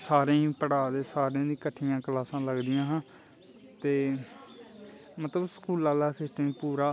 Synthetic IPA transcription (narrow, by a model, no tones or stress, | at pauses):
saːɾẽːpəɽaːd̪eːsaːɾãːd̪iːkəʈʰːiːãːkəlaːsãːləɡd̪ijãːɦãː | t̪eː | mət̪ləbsə̥kuːlaːlɛːset̪ẽĩːpuːɾaː